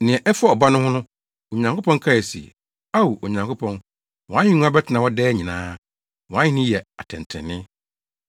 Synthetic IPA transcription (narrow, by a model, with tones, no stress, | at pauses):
nɪ̃˨ɛ˨ʔɛ˦fa˦ɔ˨ba˦nʊ̃˦hʊ̃˦nʊ̃˦ | o˨ɲã˨ŋkʰo˦pʰɔ̃˦ŋ˦kʰa˦jɛ˨sḭ˨ | a˦wu˨o˨ɲã˨ŋkʰo˦pʰɔ̃˦n | wɔ̃˨ã˦ɪ̃˦nũ˦ã˦bɛ˦tʰɪ˨nã˨wɔ˦dɛː˦ɲĩ˨nãː˦ | wɔ̃˨ã˦ɪ̃˦nɪ̃˦jɛ˨a˨tʰɛ̃˨n˨tʰɪ̰̃˨nːɪ̃˦